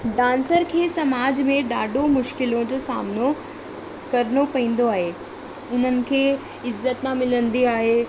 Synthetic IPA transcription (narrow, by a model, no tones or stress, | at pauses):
ɖãːnsəɾkʰeːsɐmaːd͡ʑmẽɗaːɖʱomʊʃkɪlõd͡ʑosa̰ːmno | kɐɾnopɐĩːn̆d̪oaːɦe | ʊn̤ənɪ̆kʰeː | ɪzːət̪mãmɪlə̃nd̪iaːɦeː